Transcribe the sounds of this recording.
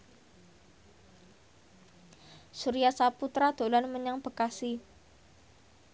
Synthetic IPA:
suɾiasaput̪ɾad̪̥olanməɲaŋb̥əkasi

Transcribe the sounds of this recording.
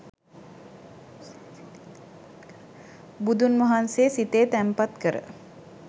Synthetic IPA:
bud̪unmɐɦanseːsit̪eːt̪æmpat̪kəɾə̰

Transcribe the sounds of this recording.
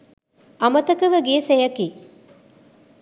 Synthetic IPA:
ʔɐmɐt̪ɐkɐʋɐɡiesejɐki

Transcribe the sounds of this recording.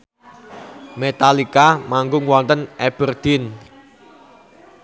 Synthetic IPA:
met̪alikamaŋɡʊŋwɔnt̪ənɛb̥ərd̪̥ɪn

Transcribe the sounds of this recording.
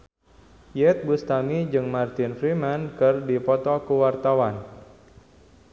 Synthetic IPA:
jɛt̪̚bust̪amid͡ʒɨŋmart̪ɪnfɾimankɨrdipɔt̪ɔkuwart̪awan

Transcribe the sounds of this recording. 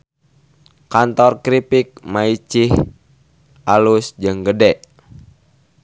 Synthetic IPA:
kant̪ɔrkɾipik̚mait͡ʃih | ʔalusd͡ʒɨŋɡədɛʔ

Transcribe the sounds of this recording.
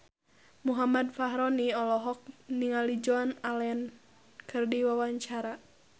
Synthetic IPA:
muɦamad̪faɦɾɔniɔlɔɦɔk̚niŋalid͡ʒɔanaln | kʰɨrdiwawaɲt͡ʃaɾa

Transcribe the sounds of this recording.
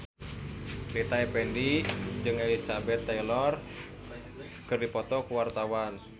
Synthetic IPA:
lit̪aɛpɛndid͡ʒɨŋelisabɛt̪ːailɔr | kɨrdipɔt̪ɔkuwart̪awan

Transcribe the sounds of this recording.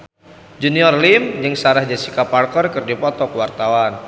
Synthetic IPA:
d͡ʒuniɔrlimjəŋsaɾahd͡ʒasikaparkərkɨrdipɔt̪ɔkəwart̪awan

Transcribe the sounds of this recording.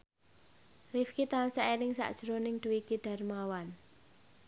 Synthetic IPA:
rifkit̪alsaʔeɾɪŋsa̰ʔd̥ʒ̥ɾonɪŋɖ̥uwiɡ̥iɖ̥a̤rmawan

